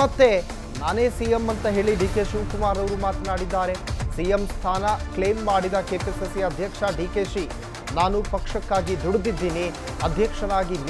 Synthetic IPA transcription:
ɐt̪ːe̞ | naːne̞ːsijemːɐnt̪ɐɦe̞ːɭiɖiːke̞ːʃuʋkumaːɾɐʋɾumaːt̪naːɽid̪ːaːɾe̞sijemst̪ʰaːnɐkɭeːmːaːɽid̪ɐkeːpesesiɐd̪ʱjɐkʂɐɖiːkeːʃi | naːnupɐkʂɐkːaːɡid̪uɽd̪id̪ːiːni | ɐd̪ʱjɐkʂɐnaːɡin

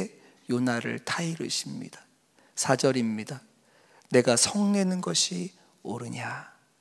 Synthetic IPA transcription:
e | jonaɾɯ̰ɭtʰaiɾɯ̰ɕʰimɲḭd̥ḁ | sʰad͡ʑʌɾimɲida | ne̞ɡasʰʌŋne̞nɯnɡʌɕʰi | oɾɯɲa

